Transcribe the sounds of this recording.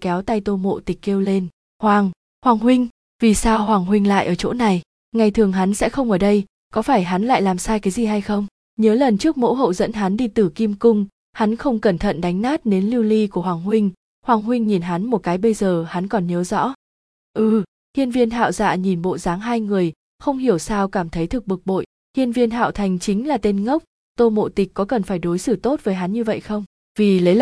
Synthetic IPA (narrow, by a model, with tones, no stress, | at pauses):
kɛ˨˦wt̪a˧jt̪o˧mo̰˧˨t̪ï˨˩k̟̚ke˧wle˧n | hwaː˨˩ŋ | hwaː˨˩ŋɦwï˧ŋ̟ | vi˨˩saː˧whwaː˨˩ŋɦwï˧ŋ̟la̰ː˧˨jʔəː˧˩t͡ɕo̰˧˥na˨˩j | ŋa˨˩jt̪ʰɨ˨˩əŋɦa˨˦nsɛ̰˧˥xə˧wŋ͡mʔəː˧˩ɗə˧j | kɔ˨˦faː˧˩jɦa˨˦nla̰ː˧˨jlaː˨˩msaː˧jkaː˨˦jzi˨˩ɦa˧jxə˧wŋ͡m | ɲəː˨˦lə˨˩nt͡ɕɨ˦˥ək̚mo̰˧˥ɦə̰˧˨wzə̰˧˥nɦa˨˦nɗi˧t̪ɨ˨˩ki˧mkʊ˧ŋ͡m | ha˨˦nxə˧wŋ͡mkə˧˩nt̪ʰə̰˧˨nɗa˨˦jŋ̟naː˦˥t̚ne˨˦nli˧wli˧ku˧˩əhwaː˨˩ŋhwï˧ŋ̟ | hwaː˨˩ŋɦwï˧ŋ̟ɲi˨˩nɦa˨˦nmo˨˩t̚kaː˨˦jɓə˧jzəː˨˩ha˨˦nkɔ˨˩nɲəː˨˦zɔ̰˧˥ | ʔɨ˧˩ | hi˧ənvi˧ənɦa̰ː˧˨wza̰ː˧˨ɲi˨˩nɓo̰˧˨zaː˨˦ŋɦaː˧jŋɨ˨˩əj | xə˧wŋ͡mhi˧˩əwsaː˧wkaː˧˩mt̪ʰə˨˦jt̪ʰɨ˨˩k̚ɓɨ˨˩k̚ɓo̰˧˨j | hi˧ənvi˧ənɦa̰ː˧˨wt̪ʰa˨˩jŋ̟t͡ɕï˨˦ŋ̟laː˨˩t̪e˧nŋə˦˥wk͡p̚ | t̪o˧mo̰˧˨t̪i˨˩k̟̚kːɔ˨˦kə˨˩nfaː˧˩jɗo˨˦jsɨ˧˩t̪o˦˥t̚vəː˨˦jɦa˨˦nɲɨ˧və̰˧˨jxə˧wŋ͡m | vi˨˩lə˨˦